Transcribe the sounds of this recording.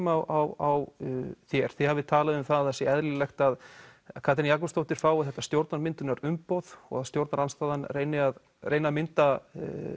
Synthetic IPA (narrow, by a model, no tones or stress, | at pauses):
mawʔawawθjɛɾ̥θihavɪt̪ʰaːlaðɪʏmθaððθɛsːɪɛðlɪlɛxt̪aðkʰaːt̪ʰɪnjakɔst̪owht̪ɪɾ̥faːwɪθɛht̪ːast̪jowɾt̪naɾmɪnt̪ʏnaɾʏmpowðɔ̰ɣaðst̪jowɾt̪naɾanst̪aːðanrejnɪað | reːjnamɪnt̪a